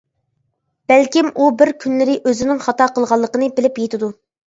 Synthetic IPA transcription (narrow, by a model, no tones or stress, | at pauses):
b̥ælkʲimubɪɾkʲʰynlɪɾɪʔøzɪnɪŋχɑt̪ɑqʰəlˠʁɑlˠːəqənɨbɪlɪpjet̪ʰɪd̪u